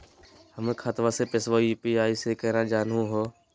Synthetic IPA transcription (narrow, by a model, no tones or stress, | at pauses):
həmkʰaːt̪ʋãːseːpɪsʋoːipiːaːiːseːkəːɾãːd͡ʒaːnũːɦoː